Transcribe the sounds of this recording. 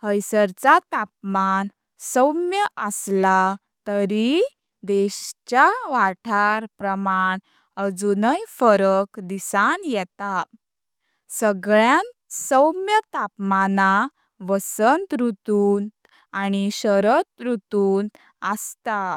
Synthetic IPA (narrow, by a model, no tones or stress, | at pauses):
həjsəɾt͡sat̪ap̚man | səwmjəʔəsla | t̪əɾi | d̪eɕt͡ɕaʋaʈʰaɾpɾəmaɳ | əd͡zunəjfəɾəkd̪isanjɛt̪a | səɡɭjãnsəwmjət̪apmana | ʋəsənt̪ɾut̪uːn | añiɕəɾət̪ɾut̪uːn | əst̪a